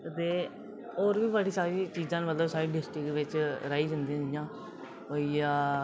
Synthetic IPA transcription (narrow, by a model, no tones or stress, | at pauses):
t̪eː | oːɾʋiːbəɽiːsaːɾiːt͡ʃiːzãːnmət̪ləbsaːɾiːɖɪsʈɾɪkʋɪt͡ʃɾaːiːd͡ʒãnd̪ĩãːd͡ʒɪjãː | oːiaː